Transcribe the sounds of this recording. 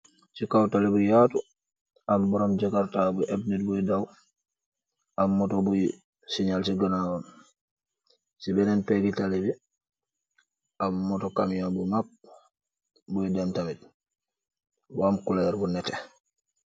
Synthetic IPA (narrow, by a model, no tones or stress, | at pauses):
sikawtalɛbujaːtu | ʔambɔɾɔmd͡ʒakaɾtabuʔɛbnit̚bujdaw | ʔamːɔtɔbuj | siɲalsiɡanawan | sibɛnɛnpɛɡitalɛbi | ʔamːɔtɔkamjabumak̚ | bujdɛmtamid̚ | wamkulaɛɾbunɛtɛ